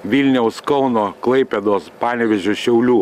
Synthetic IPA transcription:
ʋʲilʲnʲɛʊskɔʊnoːklˠɐɪpʲɛd̪oːspɑːnʲɛʋʲɛʒʲʊʃʲɛʊlʲuː

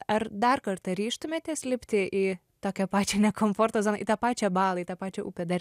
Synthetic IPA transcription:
ɐɾd̪ɐɾkɐɾt̪ɐɾʲiːʃt̪ʊmʲeːt̪ʲɛsʲlʲɪpʲt̪ʲɪʔɪ | t̪oːkʲɛpɑːt͡ʃʲɛnʲɛkomfoːɾt̪oːzoːnɐʔḭt̪ɑːpɑːt͡ʃʲɛbɑːlˠɐit̪ɐːpɑːt͡ʃʲɛuːpʲɛd̪ɐɾʲ

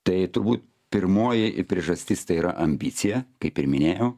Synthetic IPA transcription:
t̪ɐɪt̪ʊɾbuːt̪̚ | pʲɪrmoːjɪpʲɾʲiɛʒɐsʲt̪ʲist̪ɐɪiːɾɐ̰ʔɐmʲbʲiːt̪sʲɪjɛkɐɪpɪɾmʲɪnʲeːjɛʊ

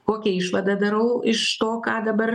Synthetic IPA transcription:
koːkʲɛɪʃʋɐd̪ɐd̪ɐɾɐʊɪʃt̪oːkɑːd̪ɐbɐɾ

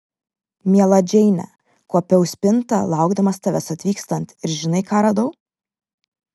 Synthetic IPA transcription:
mʲiɛlˠɐd͡ʒʲɛɪnʲɛ̰ | kuɔpʲɛʊsʲpʲɪnt̪ɐ̰lˠɑˑʊɡd̪ɐmɐst̪ɑʋʲɛsɐt̪ʲʋʲiːkst̪ɐnt̪ɪɾʒʲɪnɐɪkɑːɾɐd̪ɐʊ

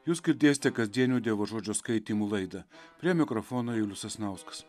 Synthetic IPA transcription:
juːsɡʲɪɾʲd̪ʲeːsʲɪt̪ʲɛkɐzʲd̪ʲiɛnʲuːd̪ʲeɛʋoːʒoːd͡ʒʲoːskɐɪt̪ʲiːmuːlˠɐɪd̪ɐpʲɾʲiɛmʲɪkɾɔfoːnoːjʊlʲʊsɐsnɐˑʊskɐ̥s

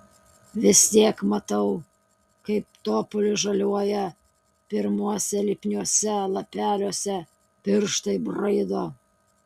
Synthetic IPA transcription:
ʋʲɪst̪ʲiɛkmɐt̪ɐʊ | kɐɪp̚t̪oːpʊlʲɪʒɐlʲuɔjɛ | pʲɪɾmuɔsʲɛlʲɪpʲnʲuɔsʲɛlˠɐpʲæːlʲoɔsʲɛ | pʲɪɾʃt̪ɐɪbɾɐɪd̪oː

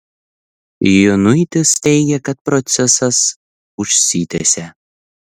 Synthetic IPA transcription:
jʊnʊɪt̪ʲɪst̪ʲɛɪɡʲɛkɐt̪̚pɾɔt̪sʲɛsɐs | ʊʃʲsʲiːt̪ʲesʲɛ

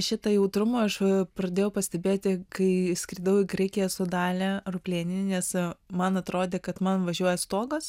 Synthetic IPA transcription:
ʃʲɪt̪ɐjɛʊt̪ɾʊmɐɐʃpɾɐd̪ʲeːjɛʊpɐsʲt̪ʲɛbʲeːt̪ʲɪkɐɪsʲkʲɾʲid̪ɐʊɪɡɾʲɛɪkʲejɛsʊd̪ɑːlʲɛrʊpʲlʲeːnʲɪnʲɪnʲɛsmɐnɐt̪ɾoːd̪ʲeːkɐt̪mɐnʋɐʒʲuɔjɛst̪oːɡɐs

